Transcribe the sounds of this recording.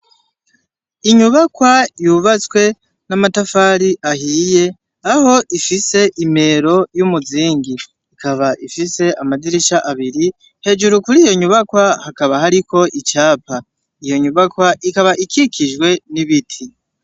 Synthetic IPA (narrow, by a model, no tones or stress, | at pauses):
iɲuβakwajuːβat͡swe̞ | namatafaːɾiʔahiːje̞ | aho̞ʔifise̞ʔime̞ɾo̞jumuziːŋɡiː | kʰaβaʔifise̞amadiɾiʃaʔaβiɾi | he̞ːd͡ʒuɾukuɾijo̞ɲuβakwahakaβahaɾiko̞ʔit͡ʃaːpa | ijo̞ɲuβakwaʔikaβaʔikʰikʰiʒɡwe̞niβitʰi